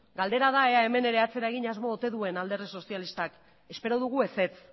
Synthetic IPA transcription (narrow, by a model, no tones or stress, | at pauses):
ɡald̪e̞ɾaðae̞ae̞me̞ne̞ɾe̞at͡se̞ɾae̞ɣiɲazmo̞ːt̪e̞ðue̞nald̪e̞riso̞sialist̪ak | e̞spe̞ɾoðuɣue̞se̞t͡s